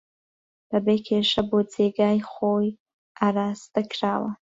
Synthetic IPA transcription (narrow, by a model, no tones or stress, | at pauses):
b̥abekʰeʂabod͡zeɡaːjχoj | aɾaːst̪ʰʼakʰraːwa